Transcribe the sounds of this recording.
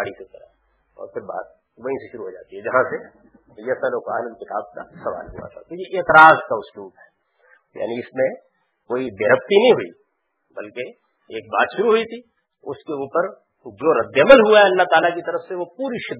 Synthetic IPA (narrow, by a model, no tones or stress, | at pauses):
aːɽisekɐɾa̰ | ɔ̰ːɾpʰɪɾba̰ːt̪̚ | ʋəĩseʃʊɾuɦoːd͡ʒa̰ːt̪iɦɛd͡ʒɐɦãse | jɛsaloːkaːnɪnt̪ɪk̪ʰa̰ːb̚ka̰sɐʋa̰ːlɦṵa̰t̪ʰa̰t̪ojeʔeːt̪ɪɾaːzkaʊsluːbɦɛː | ja̰ːniɪsmẽ | koːib̪eɾəp̚t̪inɐɦĩɦʊḭ | bɐlke | eːk̚baːt̪ʃʊɾuɦʊit̪ʰi | ʊskeuːpəɾ | d͡ʒoːɾɐd̪ːjəməlɦuaɦɛɐlːaɦt̪aːlakit̪ɐɾəfseʋopuːɾiʃɪd̪